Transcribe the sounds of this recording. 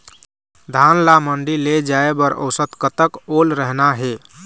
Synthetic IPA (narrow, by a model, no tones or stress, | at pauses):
d̪ʱanlaməɳɖiled͡ʒaebəɾo̰sət̪kət̪əkolɾəɦnaɦe